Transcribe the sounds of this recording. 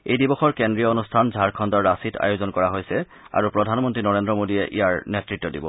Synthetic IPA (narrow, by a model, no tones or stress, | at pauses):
ejdibɔxɔɹkendɹijɔonustʰanzʱaɹkʰɔndɔɹːasita̰jozɔnkɔɹaɦojsɛ | a̰ɹupɹɔdʱanmɔntɹinɔɹendɹɔmodijɛʔḭjaɹnetɹitːɔdḭbɔ̰